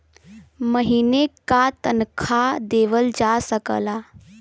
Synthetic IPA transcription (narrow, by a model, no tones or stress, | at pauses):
məɦinekat̪ənkʰad̪eːʋəld͡ʒasəkə̰la